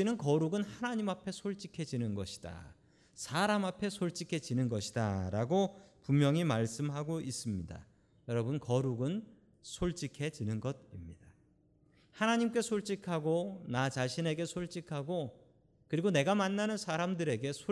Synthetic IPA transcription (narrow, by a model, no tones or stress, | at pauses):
inɯnkʌɾuɡɯnhanaɲimapʰe̞sʰoɭt͡ɕ͈ikʰe̞d͡ʑinɯnɡʌ̰ɕʰi̥d̥a̰ | sʰaɾamapʰe̞sʰoɭt͡ɕ͈ikʰe̞d͡ʑinɯnɡʌɕʰi̥da̰ɾaɡopummjʌŋimaɭs͈ɯmɦaɡois͈ɯmɲida̰ | jʌɾʌbɯnkʌɾuɡɯn | sʰoɭt͡ɕ͈ikʰe̞d͡ʑinɯnɡʌd̚imɲid̥a | hanaɲimk͈e̞sʰoɭt͡ɕ͈ikʰaɡonat͡ɕaɕʰine̞ɡe̞sʰoɭt͡ɕ͈ikʰaɡo | kɯɾiɡone̞ɡamanːanɯnsʰaɾamdɯɾe̞ɡe̞sʰo